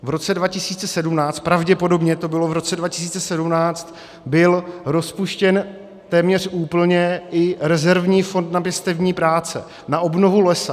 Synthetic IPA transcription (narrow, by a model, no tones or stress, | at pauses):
vɾo̞t͡sɛdvacɪsiːt͡sɛsɛdumnaːt͡st̪̚pɾavɟɛpo̞do̞bɲɛt̪o̞bɪlo̞vɾo̞t͡sɛdvacɪ̥s̬iːt͡sɛsɛdumnaːt͡st̪ | bɪlɾo̞spuʃcɛn | t̪ɛːmɲɛr̝ʔuːpl̩ɲɛʔɪɾɛzɛɾvɲiːfo̞nt̪napjɛst̪ɛvɲiːpɾaːt͡sɛ̰ | naʔobno̞vulɛsa